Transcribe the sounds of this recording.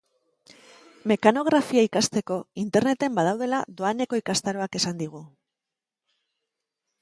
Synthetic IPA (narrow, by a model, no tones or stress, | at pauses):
me̞kano̞ɣ̞ɾafiaikast̪e̞ko̞int̪e̞ɾne̞t̪e̞mbað̞awð̞e̞la̰ðo̞ane̞ko̞ikast̪aɾo̞ake̞sand̪iɣ̞u